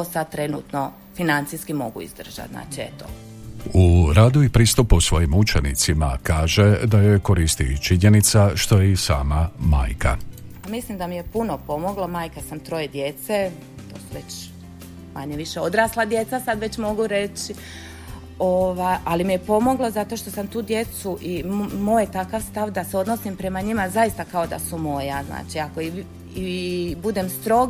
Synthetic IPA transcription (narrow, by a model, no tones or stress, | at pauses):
t̪osad̪̚t̪ɾe̞nṵt̪no̞ | finant̪sijskimo̞̰ɡuḭzd̪r̩ʒ̥a̰t̪zna̰ːt͡ʃiḛt̪o̰ | uɾaːd̪uipɾiːst̪uposʋo̞jimut͡ʃenḭt̪sima̰kaːʒe̞d̪ajojko̞ɾiːst̪it͡ʃiɲe̞nit̪saʃt̪o̞jeisa̰ːmama̰ːjka̰amislimd̪amijepunopo̞mo̞ɡlˠamaːjkasamt̪ɾo̞jed̪je̞t̪se | t̪o̞ːsuʋe̞t͡ɕ | ma̰ɲeʋiʃe̞o̞d̪ɾaːslˠad̪je̞t̪sasad̪ʋe̞t͡ɕmo̞ɡuɾe̞t͡ɕi | oʋajalimije̞po̞mo̞ɡlˠozat̪o̞ʃt̪o̞samt̪uːd̪je̞t̪suʔimo̞jt̪akaʋst̪aʋd̪aseo̞d̪no̞simpɾe̞maɲimazaist̪akao̞d̪a̰sumo̞jazna̰ːt͡ʃiako̞i | ibud̪emst̪ɾo̞ɡ